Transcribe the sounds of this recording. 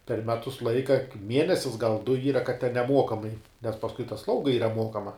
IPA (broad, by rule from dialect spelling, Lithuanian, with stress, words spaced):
pʲɛr ˈmʲæːtʊs ˈlˠɐɪkɐ ˈmʲiɛnʲɛsʲɪs ɡɐlˠ dʊ ˈiːrɐ kɐt tʲɛn nʲɛˈmuɔkɐmɐɪ nʲɛs pɐsˈkʊɪ tɐ ˈslˠɐʊɡɐ ˈiːrɐ ˈmuɔkɐmɐ